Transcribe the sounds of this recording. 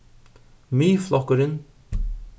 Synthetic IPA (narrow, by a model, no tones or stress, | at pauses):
miːflɔkəɾɪn